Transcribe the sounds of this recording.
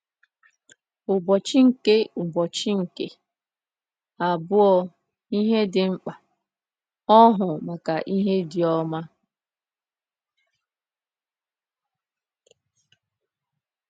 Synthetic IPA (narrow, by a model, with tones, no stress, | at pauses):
ʊ˨bɔ˨t͡ʃi˦ŋ̩˨ke˦ʊ˨bɔ˨t͡ʃɪ˦ŋ̩˨ke˦ | a˨bʊ˦ɔ˦ | i˦ɦe˦dɪ˨ŋ͡m̩˦k͡pa˨ | ɔ˦ɦʊ˨ma˨ka˨ʔi˦ɦe˦dɪ˨ɔ˦ma˦